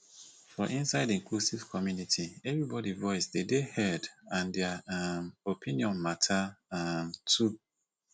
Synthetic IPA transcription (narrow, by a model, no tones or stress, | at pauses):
fɔʔĩnsaɪdĩŋklusiv̥kʰɔmjunitʰiɛvɹibɔdivɔɪsdedehɛdãndɛamopʰĩniɔ̃nmatʰamtʰu